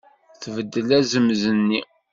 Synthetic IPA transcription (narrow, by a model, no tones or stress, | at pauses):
θvəd̪ːəlæzəmzənːi